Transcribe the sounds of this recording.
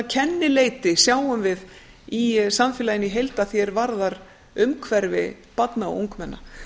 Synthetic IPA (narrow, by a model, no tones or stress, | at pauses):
cʰɛnːɪleːjt̪ɪsjaːwʏmvɪð | isanfjɛlajɪniɦejlt̪aðθjɛɾvaɾðaɾ | ʏmkʰvɛɾvɪ̰ | pat̪naɔ̰uŋkmɛnːa̰